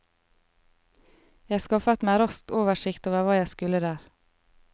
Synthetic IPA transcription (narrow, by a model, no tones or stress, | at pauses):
jæɪɑskɑfət̪mæːɾɔst̪oːʋəʃɪkt̪oːʋəɾʋɑːjæɪskʉləd̪æːɾ